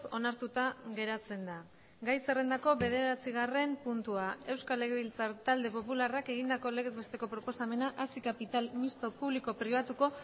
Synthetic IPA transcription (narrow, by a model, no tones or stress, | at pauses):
ko̞naɾt̪ut̪aɣe̞ɾat͡se̞nd̪a | ɡajse̞re̞nd̪ako̞βe̞ð̞e̞ɾat͡siɣ̞are̞mpunt̪uae̞wskale̞ɣeβilt͡saɾt̪ald̪e̞po̞pularake̞ɣ̞ind̪ako̞le̞ɣ̞e̞zβe̞st̪e̞ko̞pɾo̞po̞same̞naʔasikapit̪almist̪o̞puβliko̞pɾiβ̞at̪uko̞